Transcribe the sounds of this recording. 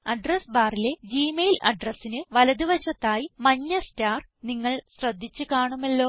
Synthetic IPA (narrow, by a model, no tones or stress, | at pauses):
ɐɖrɐsbaːrile̞d͡ʑiːmejlɐ̰ɖrɐsːinɨʋɐlɐd̪iʋɐɕɐt̪ːaːjimɐɲːɐstaːr | niŋːɐɭɕrɐd̪ʱːit͡ɕːɨkaːɳumelːo̞ː